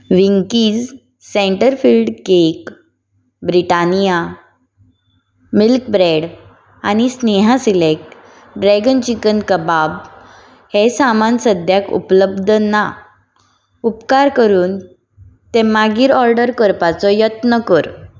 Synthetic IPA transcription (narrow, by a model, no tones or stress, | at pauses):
ʋiŋkiːd͡z | sẽɳʈəɾfiːlɖkek | bɾiʈanija | milkbɾeɽ | a̰ñisneɦasilek̚ʈ | ɖɾɛɡənt͡ɕikənkəbab | hesamansəd̪ʱjakṵpləbd̪ʱəna | upkaɾkəɾuːn | t̪emaɡiːɾɔɾɖəɾkəɾpat͡sɔjət̪nəkəɾ